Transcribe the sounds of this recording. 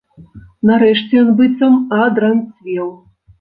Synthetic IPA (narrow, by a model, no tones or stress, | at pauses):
naɾɛʂt͡sʲɛjɔnbɨt̪sɐmad̪ɾɐnt͡sʲvʲɛw